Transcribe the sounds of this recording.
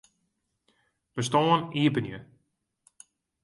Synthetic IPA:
bəstoːəniəbənjə

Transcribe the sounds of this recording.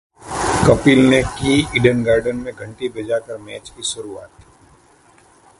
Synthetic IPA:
kɐpilnekiːiɖənɡaːɾɖənmẽɡʱɐ̃ɳʈibɐd͡ʒakəɾmɛːt͡ʃkisʊɾuaːt̪

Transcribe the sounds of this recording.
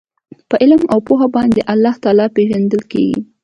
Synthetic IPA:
pəʔɪlmawpoxabɑnd̪eʔalːɑht̪ɑlɑpeʒand̪əlkḛɡḭ

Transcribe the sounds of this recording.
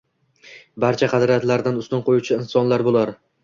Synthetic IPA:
baɾt͡ʃʰaqʰɑd̪ɾat̪laɾd̪anʊst̪ʊnqʰojut͡ʃʰɪɪnsɒnlaɾbolˠaɾ

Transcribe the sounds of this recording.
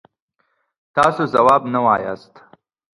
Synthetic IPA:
t̪ɑsozawɑːbnawɑja̰st̪

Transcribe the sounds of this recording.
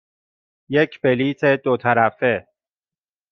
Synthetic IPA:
jekʰbeliːt̪ʰed̪ot̪ʰæɾæfe

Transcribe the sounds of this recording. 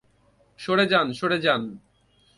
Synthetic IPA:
ʃoɽed͡ʑanʃoɽed͡ʑan

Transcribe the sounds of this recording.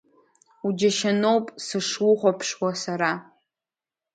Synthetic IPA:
ud͡ʒaʃano̞wpʼsɨʂwʊχʷapʰʂwasaɾa

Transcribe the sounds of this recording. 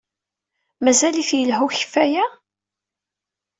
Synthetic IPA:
mæzæliθjəlɦuçə̥fːæjæ

